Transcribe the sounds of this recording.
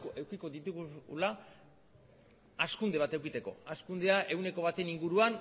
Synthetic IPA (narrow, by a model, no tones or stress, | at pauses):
oe̞wkiko̞ðit̪uɣula | askund̪e̞β̞at̪e̞wkit̪e̞ko̞̰askund̪e̞aʔe̞wne̞ko̞β̞at̪e̞niŋɡuɾuan